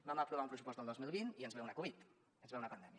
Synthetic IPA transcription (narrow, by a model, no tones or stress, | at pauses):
baməpɾuβaumpɾəsupɔsəlˠd̪ozmilˠβiniənzβɛunəkuβit̪ | ənzɛunəpənd̪ɛmjə